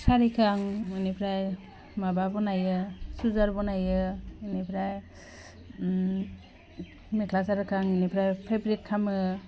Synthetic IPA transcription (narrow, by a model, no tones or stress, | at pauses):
saɾikʰaŋɯnipʰɾaj | mababɔnajɯsuzaɾbɔnajɯinipʰɾaj | mekʰlasaɾɯkʰaŋinipʰɾajpʰebɾit̚kʰamɯ